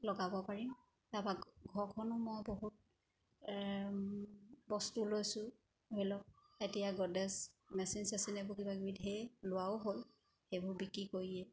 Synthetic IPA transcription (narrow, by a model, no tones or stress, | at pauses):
lɔɡabɔpaɹim | tabaɡʱɔɹkʰɔnʊmɔjboɦut̚ | bɔstulojsʊ | ɦelɔk̚ | etijaɡɔdɛsmɛsinsasinɛbʊkibaɡbidʱelʊwaʊɦol | xejbʊɹbikɹikoɹiɛ